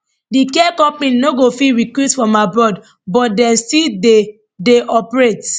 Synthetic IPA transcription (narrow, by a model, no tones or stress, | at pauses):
dikɛkɔp̚mĩnnoɡofiɹikwitfɔmabɹɔd | bɔtdɛ̃nstide | deʔɔpɹet